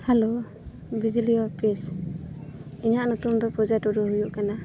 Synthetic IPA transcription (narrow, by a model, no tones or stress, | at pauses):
halo | bid͡ʒilijɔpis | iɲaʔnɔt̪umd̪ɔpɔzatɔɾɔɦujɔʔkana